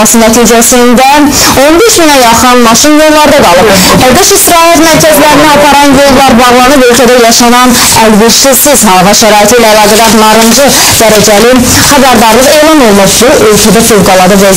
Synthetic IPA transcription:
ɑsɯnæt̪ʰiːd͡ʒæsind̪æ | o̞nbe̞ʃminæjɑχɯnmɑʃinjolˠlːˠɑɾd̪ɑɡɑlˠɯp | æd̪ɯʃisɾɑːhæt̪mæɾcʰæzlæɾiniɑpʰɑɾɑnjolˠlˠɑɾbɑɾlˠɑnɯbø̞lcʲʰæd̪æjɑʃɑnɑn | ælbiɾʃiz̥siz̥hɑlˠvɑʃæɾɑːit̪ʰilæælˠɑːɡæd̪ɑnɑɾɯnd͡ʒɯ | d̪̥æɾæd͡ʒæli | χæbæɾd̪ɑɾɯze̞jlˠɑno̞lˠmupbuʔølʲcʰʲæd̪æfolɡɑlˠɑɾd̪ɯvæ

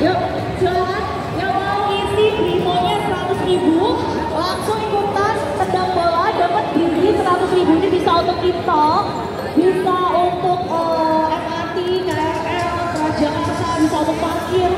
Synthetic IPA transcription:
ja | d͡ʒəaɦan | jaŋma | iniɡɾit̪ɔɲasəɾat̪ʊsribu | laŋsʊŋikut̪ant̪ədabawadapət̪̚d̥inisəɾat̪ʊsribunibisaunt̪ʊk̚t̪it̪ɔ | b̥isaunt̪ʊk̚əɛp̚at̪ikaɾaakaaakəɾad͡ʒakasabisaunt̪ʊk̚parkɪr

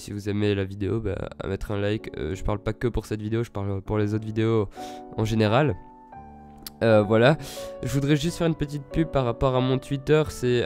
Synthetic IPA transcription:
sḭvuzɛmelavid̪eo̰ba̰a̰mɛt̪χɛ̃lajkø̰ʒəpaʁlpakəpuʁsɛt̪vid̪eoʒəpaʁlpuʁlezot̪χvid̪eoɑ̃ʒeneʁal | øvwalaʒəvud̪ʁɛʒyst̪fɛʁynpət̪̬it̪̚pyb̚paʁapɔʁamɔ̃t̪ɥit̪œːʁsɛ

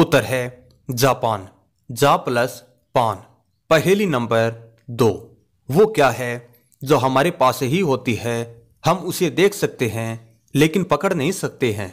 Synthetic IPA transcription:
ʊt̪ːəɾɦɛː | d͡ʒaːpaːn | d͡ʒaːpləs | paːn | pɐɦeːlinɐ̃mbəɾ | d̪oː | ʋokjaːɦɛ | d͡ʒoːɦɐmaːɾepaːseɦiɦoːt̪iɦɛ | hɐmʊsed̪eːkʰsɐk̚t̪eɦɛ̃ | leːkɪnpɐkəɽnɐɦĩsɐk̚t̪eɦɛ̰̃ː

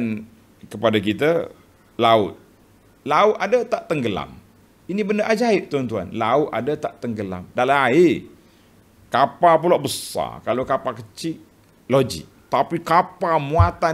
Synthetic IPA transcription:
n | kəpadakit̪a | laʊt̪̚ | laʊt̪̚adat̪aʔt̪əŋɡəla̰m | inibəndəʔad͡ʒaɪʔ̚t̪uant̪ua̰nlaʊt̪̚adat̪aʔt̪əŋɡəla̰mdalaae | kapapulaʔbəsa̰kalokapakət͡ʃɪʔ | lod͡ʒɪ̰ʔ̚t̪apikapamũat̪a

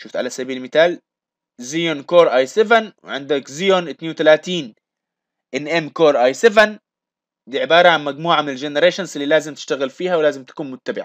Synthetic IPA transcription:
ʃuft̪ʕa̰lasabiːlmɪθaːl | zɪjonkoːɾˤʔaːjsɪvanwɪ̰ʕɪ̰nd̪akzɪjonʔɪt̪neːnwʊt̪alaːt̪iːn | ʔɪnʔemːkoːɾˤʔajsevɪn | d̪iːʕɪbɑːɾˤɑʕanmaɡmuːʕamɪnɪld͡ʒɪnɪɾeːʃanzɪlːiːlaːzɪmt̪ɪ̥ʃt̪aɣɪlfiːhawlaːzɪmt̪ḁkuːnmʊt̪ːabɪʕa̰

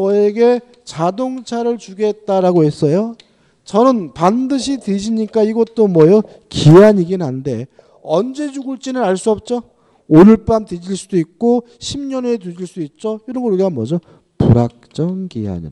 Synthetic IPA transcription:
ʌe̞ɡe̞ | t͡ɕadoŋt͡ɕʰaɾɯɭt͡ɕuɡe̞t̚t͈aɾaɡoɦe̞s͈ʌjo | t͡ɕʌnɯnpandɯɕʰited͡ʑiɲik͈aiɡʌt̚t͈omwʌjʌ | kiaɲiɡinɦannde̞ | ʌnd͡ʑe̞d͡ʑuɡuɭt͡ɕ͈inɯɾaɭs͈uʌp̚t͡ɕ͈o | ɾɯɭp͈amted͡ʑiɭs͈uduik̚k͈o | ɕʰimɲʌne̞t̬ud͡ʑiɭs͈uduit̚t͡ɕ͈oiɾʌnɡʌɾɯɡɡamwʌd͡ʑʌ | puɾak̚t͡ɕ͈ʌŋkḭa̰ɲḭ

